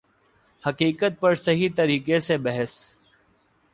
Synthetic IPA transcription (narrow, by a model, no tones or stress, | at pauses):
həkiːkət̪̚pəɾsəɦiːt̪əɾiːkeseːbəɦəs